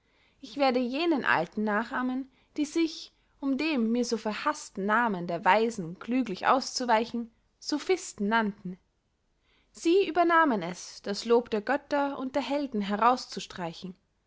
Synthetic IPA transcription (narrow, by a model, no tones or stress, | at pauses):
ʔɪçv̥eːɐdəjeːnənʔa̰ltn̩naːχaːmən | d̥iːzɪç | ʔʊmdeːmːiːɐzoːfɛɐhastn̩naːməndeːɐvaɪzn̩ɡ̥lyːɡlɪçʔa̰ʊst͡suvaɪçn̩ | z̥ofɪstn̩nantn̩ | z̥iːʔyːbɐnaːmənɛsd̥asloːpd̥eːɐɡœtɐʊ̰nt̚d̥eːɐɦɛldn̩ɦɛʁaʊst͡suʃtʁ̥aɪçn̩